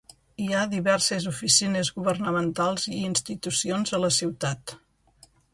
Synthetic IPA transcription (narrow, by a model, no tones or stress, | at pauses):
iaðiβɛɾsezufisinezɣuβərnəmənt̪alˠziiːnst̪it̪usionzələsiwt̪at̪